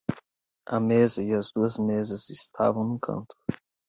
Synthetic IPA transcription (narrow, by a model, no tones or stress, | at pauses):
ɐmezɐɪɐzd̪uɐzmezɐzɪst̪ʰa̰vɐ̃w̃nʊkʰɐ̰̃nt̪ʊ̥